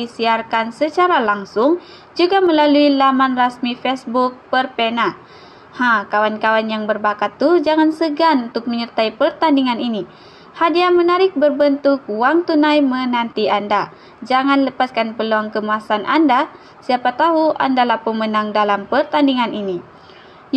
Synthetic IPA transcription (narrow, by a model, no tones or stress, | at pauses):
isiarkansət͡ʃaɾalaŋsʊŋ | d͡ʒuɡaməlaluilamanrasmifɛsbuk̚pərpena | hakawankawanjaŋbərbakat̪ːud͡ʒaŋansəɡanunt̪ʊk̚məɲərt̪aipərt̪andiŋanini | hadiamənaɾɪk̚bərbənt̪ʊk̚waŋt̪unajmənant̪ianda | d͡ʒaŋanləpaskanpəluaŋkəmuasanʔa̰nda | siapat̪aɦua̰ndalahpəmənaŋdalampərt̪andiŋanini